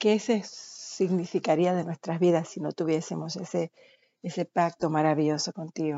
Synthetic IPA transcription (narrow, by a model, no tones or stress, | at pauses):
kesesiɣnifikaɾiaðe̞nwe̞st̪ɾazβiðasːino̞t̪uβ̞je̞se̞mo̞se̞se | ese̞pak̚t̪o̞maɾaβiʝo̞so̞ko̞nt̪iɣo